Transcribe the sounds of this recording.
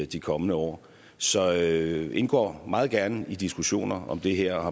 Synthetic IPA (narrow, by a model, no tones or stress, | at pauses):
d̥ikʰɒ̽mənəɒ̰ː | sɒ̽e̝nɡ̥ɒ̰ːmɑ̈ːð̩ˠɡ̥æɐnəid̥isɡ̥uɕo̝̰ːnɐɒ̽md̥e̝ɦeɐ̰ɑ̈